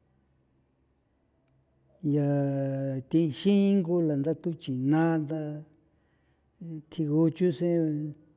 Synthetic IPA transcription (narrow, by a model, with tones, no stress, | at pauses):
ja˨ | t̪ĩ˧ʃĩ˦ŋɡu˧la˨nd̪a˦t̪u˦t͡ʃi˨nã˦nd̪a˧ | t̪ʰi˧ɣu˧t͡ʃu˦sẽ˦˧